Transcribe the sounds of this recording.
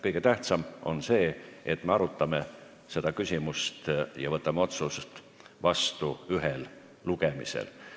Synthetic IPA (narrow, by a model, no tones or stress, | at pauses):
kɤjɡ̥e̞t̪æht̪sɑmo̞̰nse̞ːet̪me̞ɑɾut̪ːˑɑme | se̞d̪ɑkysʲimust̪jɑvɤt̪ːˑɑmeo̞t̪sust̪ | vɑst̪uyɦel | luɡemḭsḛl